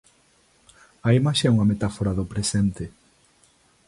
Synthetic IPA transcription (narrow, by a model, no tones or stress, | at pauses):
ɐimaʃɛuŋɐmet̪afoɾaðʊpɾesɛnt̪e